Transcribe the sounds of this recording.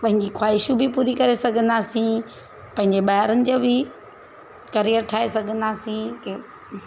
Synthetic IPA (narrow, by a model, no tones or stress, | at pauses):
pɐ̃ɦɪ̃ɲd͡ʑikʰwaːɪʃubʱɪpuːɾikɐɾesɐɡʱə̃nd̪aːsĩ | pɐ̃ɦɪ̃ɲd͡ʑeɓaɦaɾənɪ̆d͡ʑoːbɪ | kɐɾijəɾʈʰaːesɐɡʱə̃nd̪aːsĩke